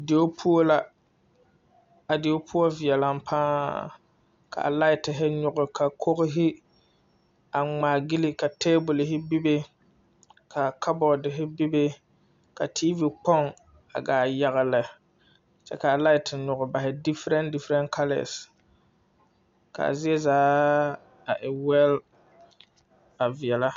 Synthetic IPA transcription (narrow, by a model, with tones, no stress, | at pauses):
de˨o˦pʰu˦o˦la˦ | a˨dɪ˨o˦pʰʊ˦o˦vi˨ɛ˨la˨mpʰaː˦ | kʰa̰˨la˦ɪ˨tɪ˨ɦɪ˦ɲʊ˨ɡʊ˨kʰa˨kʰo˦ɣʊ˦ɦɪ˦ | a˨ŋ͡maː˨ɡɪ˦lɪ˦ka˨teː˦bʊ˨lɪ˨ɦɪ˦bi˦be˦ | kʰa˨kʰa˦bɔ˨dɪ˨ɦɪ˦bi˦be˦ | ka˨tʰiː˦vi˨k͡pɔ˦ŋ | a̰˨ɡaː˨ja˨ɣa˨lɪ˨ | t͡ʃɛ̰˦ka˨la˦ɪ˨tɪ˨ɲʊ˨ɣʊ˨ba˨hɪ˨dɪ˦fɾɛ˦ndɪ˦fɾɛ˦nkʰa˦lɛ̰˨s | ka̰˨a̰˨zɪ˦ɛ˦zaː˦ | a˨ʔɪ˨wɛ˦l | a˨vi˨ɛ˨la˦